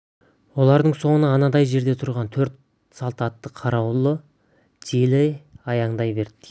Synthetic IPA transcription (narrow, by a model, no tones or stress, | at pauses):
wo̞lˠɑɾd̪əɴso̞ɴənɑɑnɑd̪ɑjʒe̞ɾd̪e̞t̪ʰʊɾʁɑnt̪ʰɵɾt̪̚ | sɑlˠt̪ɑt̪ːəqʰɑɾɑwlˠə | t̪ʰilɪɑjɑɴd̪ɑjbe̞ɾd̪ɪ